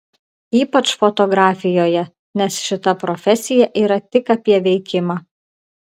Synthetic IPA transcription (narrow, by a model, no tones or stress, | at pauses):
iːpɐt͡ʃfɔt̪ɔɡɾɑːfʲɪjoːjɛ | nʲɛsʃʲɪt̪ɐpɾɔfʲɛsʲɪjɛʔiːɾɐt̪ʲɪkɐpʲiɛʋʲɛɪkʲɪmɑː